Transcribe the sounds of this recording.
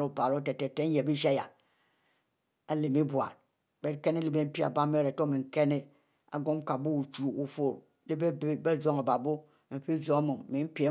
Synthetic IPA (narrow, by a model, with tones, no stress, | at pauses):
ɾu˦˨pa˨ɾo˦te˨te˨te˦je˨bi˦ʃa˦ja˨ | a˨li˨mi˦bwʷa̰˨ɾ̚ | be˨˦ke˦ne˦li˦be˦m̩˦pi˦a̰˨ba˦me˦˨ɾe˨to˦mi˨ŋ̩˦˨ke˦ne˦ | a̰˨ɡo˦m˦ka˨bu˦u˨t͡ʃu˨u˨fo˨ɾ | li˦be˦bbe˦zo˦ŋa˨ba˨bo˦ | m̩˨fi˦zo˦ŋa˦mu˨ŋ̩˨mi˨˦m̩˦pʲe˨˦